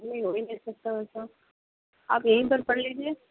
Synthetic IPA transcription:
nẽĩɦoinɐĩsɐk̚t̪aɛsa | a̰ːpjɐɦĩpɐɾpɐɽliːd͡ʒieː

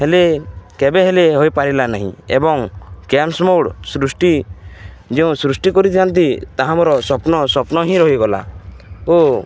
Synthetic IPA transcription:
helekebeɦeleɦojpaɾilanaɦḭ̃ḛbɔŋkemsmowɽsɾusʈi | d͡ʒeũsɾusʈikɔɾit̪ʰiant̪it̪aɦãmɔɾɔsɔpnɔsɔpnɔɦĩɾɔɦiɡɔla̰o

